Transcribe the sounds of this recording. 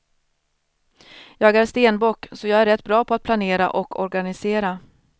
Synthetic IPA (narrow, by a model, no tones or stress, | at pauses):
jɑːɡæːɾʂt̪eːnbɔkːsɔjɑːɡæɾɛt̪ːbɾɑːpʰɔat̪̚pʰlaneːɾa̰ʔɔkʰɔɾɡanɪseːɾa